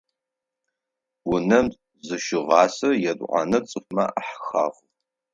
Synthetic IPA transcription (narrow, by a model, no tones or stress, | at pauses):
wʊnɐm | zɨʃɪʁɑːsɐjɛdʷʼʔʷɑ̰nɐt͡sʼɨχmɐʔaħxaːχʊ